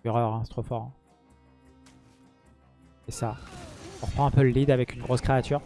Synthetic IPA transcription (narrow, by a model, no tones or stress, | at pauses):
yʁœʁɛ̃sɛ̥t̪χofɔʁ̃ | esaɔ̃ʁəpχɑ̃ɛ̃pøləlid̪avɛkynɡʁoskχeat̪ʰyːʁ